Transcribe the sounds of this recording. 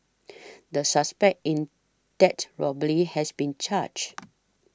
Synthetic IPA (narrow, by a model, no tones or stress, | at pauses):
dəsaspɛk̚tĩn | d̥ɛtɹɔbəlihɛsbĩnt͡ʃad͡ʒ